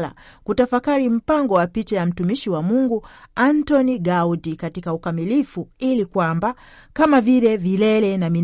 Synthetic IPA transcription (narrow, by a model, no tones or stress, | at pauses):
la̰kutafakaɾim̩paŋɡɔwapit͡ʃajam̩tumiʃiwamuŋɡuantɔniɡaudikatikaukamilifuilikwamba | kamavilɛvilɛlɛnami